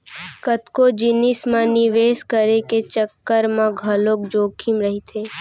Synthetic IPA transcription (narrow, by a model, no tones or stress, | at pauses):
kət̪kod͡ʒɪnɪsmãnɪʋeːskəɾeket͡ʃəkːəɾmãɡʱɐloːk̚d͡ʒoːkʰimɾəɦit̪ʰeː